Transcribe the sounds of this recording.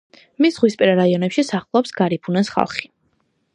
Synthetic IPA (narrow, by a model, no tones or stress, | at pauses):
misʁwispʼɛɾaɾaiɔnɛpʃisaχlˠɔpsɡaɾipʰunɛsχa̰lˠχi̥